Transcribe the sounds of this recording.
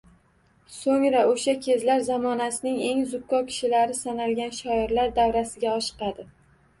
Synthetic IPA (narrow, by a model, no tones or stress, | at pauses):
soŋɾaoʃakʲʰe̞zlaɾzamɒnasɪnɪŋe̞ŋzʊkːɒkʲʰɪ̥ʃɪlaɾɪsanalɡʲanʃɒɪɾlaɾd̪avɾasɪɡʲaɒʃɨ̥qɑd̪ɪ